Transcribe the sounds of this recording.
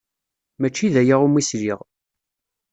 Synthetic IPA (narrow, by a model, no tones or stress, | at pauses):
mæt͡ʃːiðæjaʁumːisɾiʁ